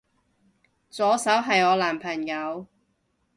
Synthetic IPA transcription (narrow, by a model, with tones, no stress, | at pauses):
t͡sɔː˨˥sɐ˨˥wɦɐ˨jɔː˨˧laː˨˩mpʰɐ˨˩ŋjɐ˨˧w